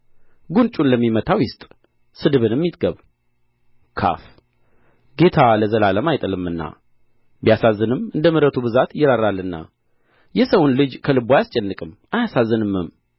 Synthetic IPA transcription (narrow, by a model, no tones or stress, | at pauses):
ɡunt͡ʃʼunləmːimət̪ʰawjɪst̪ʼ | sɨd̪ɨβɨnɨmːit̪ɡəβ | kʰa̰f | ɡe̞t̪ʰaləzəlaləmajt̪ʼəlɨmɨnːa̰ | bijasazːɨnɨmɨnd̪əmɨɾət̪ʰubɨzat̪jɪɾaɾalːɨnːa̰ | jɛsəwʊnlɨd͡ʒkʰəlɨbojast͡ʃʼɛnːɨkʼɨm | ajasazːɨnɨmːɨm